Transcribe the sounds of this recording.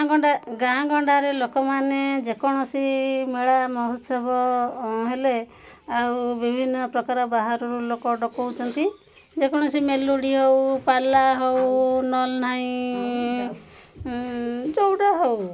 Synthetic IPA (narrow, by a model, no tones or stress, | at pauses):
ɡɔɳɖaɡãɡɔɳɖaɾelokɔmaned͡ʒekɔɽ̃ɔsimeɭamɔɦɔt̪sɔbʱɔɦele | awbibʱinːɔpɾɔkaɾɔbaɦaɾɔɾulokɔɖɔkɔwt͡ʃʰɔnt̪i | d͡ʒekɔɽ̃ɔsimeluɽiɦowpalaɦownɔlnaĩ | d͡ʒowɽaɦow